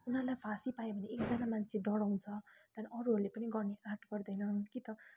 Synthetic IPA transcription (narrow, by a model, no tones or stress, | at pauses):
unɦʌlajbʰʱasipajebʱʌneekd͡zanamant͡sʰeɖʌɽaw̃nt͡sʰʌt̪ʌɾʌʌɾuɦʌɾulepʌniɡʌrneʔarʈʰɡʌrd̪ʌjnʌnkit̪ʌ